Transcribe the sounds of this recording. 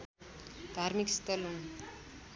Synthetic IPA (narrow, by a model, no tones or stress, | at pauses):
d̪ʱaɾmikst̪ʌlɦun